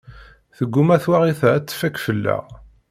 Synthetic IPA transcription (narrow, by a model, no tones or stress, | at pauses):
θəɡːumæθwaʁiθæt͡sːfækfəlːæ̰ʁ